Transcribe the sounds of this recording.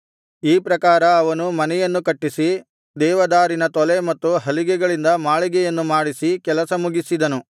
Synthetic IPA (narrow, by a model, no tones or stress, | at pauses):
iːpɾɐkaːɾɐːʋɐnumɐnɛjɐnːukɐʈːisi | d̪ɛːʋɐd̪aːɾinɐt̪ɔlemɐt̪ːuɦɐliɡɛɡɐɭind̪ɐmaːɭiɡɛjɐnːumaːɽisikɛlɐsɐmuɡisid̪ɐnu